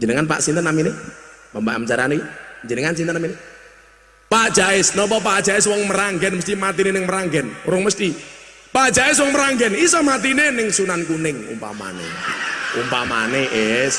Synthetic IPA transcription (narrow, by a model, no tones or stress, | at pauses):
d͡ʒənəŋanpa̰ʔsint̪ənːaminemambaʔmət͡ʃaɾaneɲd͡ʒənəŋans̬int̪ənamine | pḁd͡ʒ̥aɪsnɔp̬ɔp̬ad̥ʒ̥aɪswɔŋməɾaŋɡɛnməst̪imat̪inenɪŋməɾaŋɡɛnɾʊŋməst̪i | pḁd͡ʒaɪs̬wɔŋməɾaŋɡɛnisɔmat̪inenɪŋsunankunɪŋṵmpa̰ma̰nḛumpama̰neʔes